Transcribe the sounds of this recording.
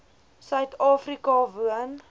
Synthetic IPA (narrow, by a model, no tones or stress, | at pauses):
sœɥtɑːfrikɑvuən